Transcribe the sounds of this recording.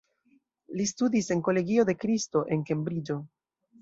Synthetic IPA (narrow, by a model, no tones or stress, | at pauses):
listudise̞nko̞le̞ɡio̞de̞kɾisto̞ʔe̞nke̞mbɾid͡ʒo̞